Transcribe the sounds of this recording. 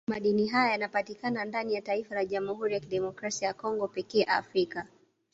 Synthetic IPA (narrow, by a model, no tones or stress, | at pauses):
maɗiniɦajajanapatikanandanijataifalaʄamuhuɾijakiɗɛmɔkɾasiajakɔŋɡɔpɛkɛːʔa̰fɾika